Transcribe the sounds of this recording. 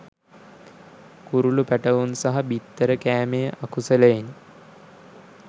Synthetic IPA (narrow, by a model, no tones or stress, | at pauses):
kuɾulupæʈəʋunsaɦabit̪ːəɾəkæːmejəʔakusələjin